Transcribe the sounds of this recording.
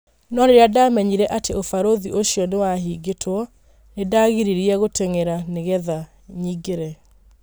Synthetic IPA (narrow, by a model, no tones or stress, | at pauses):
nɔɾeɾeadamɛɲiɾɛʔateofaɾoðiʔoɕiɔnewaɦiːɡetʰwɔ | nedaɣiɾiɾiɛɣotʰeŋeɾaneɣɛða | ɲiɡeɾɛ